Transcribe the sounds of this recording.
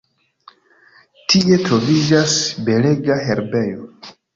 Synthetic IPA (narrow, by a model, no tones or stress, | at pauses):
tie̞tɾo̞vid͡ʒasbe̞le̞ɡaɦe̞ɾbe̞jo